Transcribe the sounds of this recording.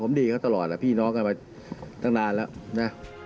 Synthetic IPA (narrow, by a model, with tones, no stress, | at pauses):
pʰo˩˦mdiː˧kʰa˥˩t̪a˧lɔː˨˩t̪̚a˨˩pʰiː˥˩nɔː˦˥ŋka˧nmaː˧ | t̪ʰa˥˩ŋnaː˧nlɛː˦˥wna˦˥